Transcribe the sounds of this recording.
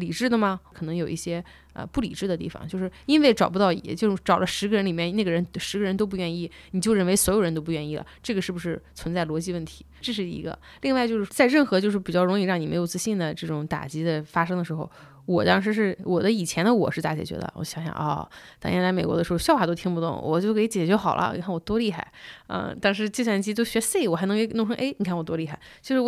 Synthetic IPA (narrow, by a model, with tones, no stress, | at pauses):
li˨˩ʈ͡ʂɻ̩˥˩d̪ə˩mɐ˩kʰɤ˨˩nɤ˧˥ŋjo˨˩ʊʔi˥˩ɕjɛ˥ | ə̰˧pu˥˩li˨˩ʈ͡ʂɻ̩˥˩d̪ə˩t̪i˥˩fɑ̰˨˩ŋt͡ɕjo˥˧ʊʂɻ̩˥˩i˥nwe˥˩ɪʈ͡ʂɑ˨˩ʊp̬u˥t̪ɑ˥˩ʊḭ˨˥t͡ɕjo˥˧ʊ˥ʈ͡ʂɑ˨˩ʊlʔə˦ʂɻ̩˧˥ɡə˧ɻə˧˥nli˨˩mjɛ˥˧nna˥˩ɡə˩ɻə˧˥nʂɻ̩˧˥ɡə˧ɻə˧˥nt̪o˥ʊpu˥˧ɥɛ˥˧ni˥˩ni˨˩t͡ɕjo˥˧ʊɻə˥˩nwe˧˥ɪswɔ˧˥jʊɻə˧˥nt̪o˥ʊpu˥˧ɥɛ˥˧ni˥˩lə̰˩ʈ͡ʂɤ˥˩ɡə˩ʂɻ̩˥˩bu˩ʂɻ̩˥˩t͡sʰwə˧˥nt͡sa˥˩ɪlwɔ˧˥t͡ɕi˥˧wə˥˩nt̪ʰi̥˧˥ʈ͡ʂɤ˥˧ʂ̬ɻ̩˥˩ḭ˧˥ɡə̰˧ | li˥˧ŋwa˥˧ɪt͡ɕjo˥˧ʊʂɻ̩˥˧t͡sa˥˧ɪɻə˥˩nxɤ˧˥t͡ɕjo˥˧ʂɻ̩˥˩pi˨˩t͡ɕjɑ˥˩ʊɻʊ˧˥ŋi˥˧ɻɑ˥˩ŋni˨˩me˧˥ɪjo˨˩ʊt͡sɹ̩˥ɕi˥˩nd̪ə˩ʈ͡ʂɤ˥˩ʈ͡ʂʊ˧˥˦ŋt̪a̰˨˩t͡ɕi˧˥d̪ə˧fa˥ʂɤ˥ŋd̪ə˨ʂɻ̩˧˥xo˧ʊ | wɔ˨˩t̪ɑ˥ŋʂ̬ɻ̩˧˥ʂ̬ɻ̩˥˩wɔ˨˩d̪ə˦i˨˩t͡ɕʰjɛ˧˥nd̪ə˧wɔ̰˨˩ʂɻ̩˥˧t̪a˥˩t͡ɕʰɛ̰˧˥t͡ɕɥɛ̰˧˥d̪ə̰˧wɔ̰˧˥ɕjɑ˧˥ŋɕjɑ̰˨˩ŋʔɔ̰˥˧t̪ɑ̰˨˩˥nɛ˥nt͡sa˧˥ɪme˨˩kwɔ̰˧˥də˧ʂɻ̩˧˥xɕjɑ˥˩ʊfa˨˩t̪o˥ʊt̪ʰi˥ŋpu˧t̪ʊ̰˥˩ŋwɔ̰˨˩t͡ɕo˥˩ʊkʰe˥i˧˥t͡ɕjɛ˨˩t͡ɕɥɛ˧˥xɑ˨˩ʊlʔə̰˦ni˨˩kʰa˥˩nwɔ˨˩t̪wɔ˥li˥˧xa˥˩ɪə̰˧t̪ɑ˥ŋʂɻ̩˧˥t͡ɕi˥˧swa˥˩nt͡ɕi˥t̪o˥ʊɕɥɛ˧˥se˥˩ɪwɔ˨˩xn˧˥ŋkʰn˥˧ʂɤ˥ŋʔe˥ɪni˨˩kʰa˥˩nwɔ˨˩t̪wɔ˥li˥˧xa˥˩ɪt͡ɕo˥˧ʂɻ̩˥˩wɔ˧˩